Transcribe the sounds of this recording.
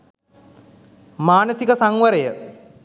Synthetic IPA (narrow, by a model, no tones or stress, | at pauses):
maːnəsikəsaŋʋəɾejə